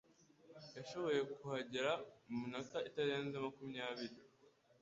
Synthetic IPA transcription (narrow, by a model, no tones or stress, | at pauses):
jaʃo̞βo̞je̞kuhaɟeɾaumunakaitaɾe̞ːnzamakumjaβiɾi